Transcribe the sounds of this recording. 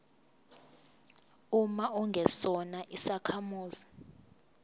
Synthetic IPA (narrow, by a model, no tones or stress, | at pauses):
umauŋɡʱɛsɔnaʔisakʰamuːzi